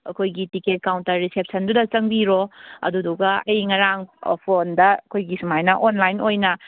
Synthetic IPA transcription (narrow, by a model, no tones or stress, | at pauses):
ɐ̰kʰojɡitiket̚kawntɐɾːisep̚sɐndudɐt͡ʃɐŋbiɾoɐ̰duduɡɐɐjŋɐɾaŋ̰pʰondɐɐkʰojɡisumajnɐʔonlajnojnɐ